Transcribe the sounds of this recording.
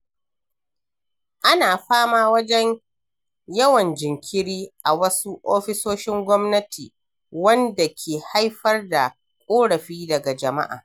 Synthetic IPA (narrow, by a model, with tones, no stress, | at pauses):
ʔa˦naː˨ɸaː˦maː˦wɐ˦d͡ʒɛ˦ɲ | jɐ˦wɐ˨nd͡ʒɪ˨ŋkʲʰɪ˦ɽiː˦ʔa˨wɐ˦su˦ʔoː˦ɸɪ˦soː˦ʃɪ˦ŋɡʷɔ˦mnɐ˦tʰiː˨ | wɐ˦nda˨kʲʰeː˨ha˦jɸɐ˦rda˨ | kʷʼoː˦ɽɐ˨ɸiː˦dɐ˨ɡa˨d͡ʒɐ˨ma̰˦ʔa̰ː˨